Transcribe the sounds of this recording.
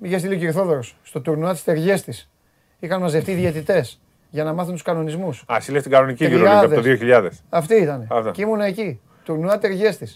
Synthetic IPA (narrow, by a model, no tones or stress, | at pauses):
miʝest̪iliociɾiθo̞ðeɾosst̪o̞t̪uɾnuɐt̪ist̪e̞ɾʝe̞st̪is | ixɐnmɐzðeft̪iðiet̪it̪e̞s | ʝɐnɐmɐθunt̪uskɐno̞nizmusɐ̰silest̪iɡɐnoniciiɾɐɐpðeoðioçiʎɐðesɐft̪iit̪ɐneɐt̪ocimunɐeci | t̪uɾnuɐt̪e̞ɾʝe̞st̪is